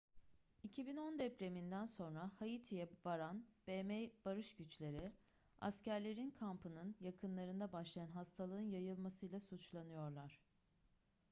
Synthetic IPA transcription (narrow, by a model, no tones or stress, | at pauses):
icʰibino̞nd̪ɛpɾe̞mind̪ænso̞nɾahajit̪ʰijɛvaɾanb̥emɛjb̥aɾɯʃɟyt͡ʃlʲe̞ɾɪ | a̰scæɾlʲe̞ɾinkʰampʰɯnɯnjakʰɯnlˠaɾɯnd̪abaʃlˠajanɦast̪ʰalˠɯɯnjajɯlˠmasɯjlˠasut͡ʃlˠanɯjo̞ɾlˠaɾ̥